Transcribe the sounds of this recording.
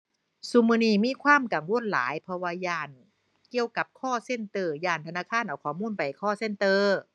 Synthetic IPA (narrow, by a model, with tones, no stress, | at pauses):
su˧mɯː˧niː˧˩miː˧˥˨kʰwaː˧˥˨mka˨˩ŋwo˧˥˨nla̰ː˨˦jpʰɔ˧waː˧jaː˧˩n | ki˧əwka˨˩p̚kʰɔː˧˥˩se˧˩˨nt̪ɤː˧˩jaː˧˩nt̪ʰa˧naː˧˥˩kʰaː˧˥˨nʔa˨˩wkʰɔː˧˩˦muː˧˥˨npa˨˩jkʰɔː˥˩se˧˥˨nt̪ɤː˧˩